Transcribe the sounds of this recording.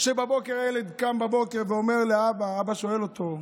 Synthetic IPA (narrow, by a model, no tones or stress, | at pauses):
ʃebabo̞keʁeled̪kambabo̞keʁveo̞meʁleabaabaʃo̞elo̞t̪o̞